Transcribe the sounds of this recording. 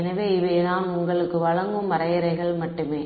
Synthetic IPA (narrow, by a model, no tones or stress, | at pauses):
nɐʋeːɪʋeːnaːnʊŋɡɐɭɯkːɯʋɐɻɐŋɡɯmːɐɾɐjɐɾɐɪɣɐɭmɐʈːɯmeː